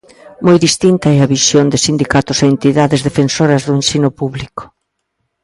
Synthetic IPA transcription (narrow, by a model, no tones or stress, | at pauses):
mojðist̪int̪ɐɛɐβisjond̪ɪsind̪ikat̪ʊseent̪iðaðɪzðefensoɾɐzðʊensinʊpuβlikʊ̥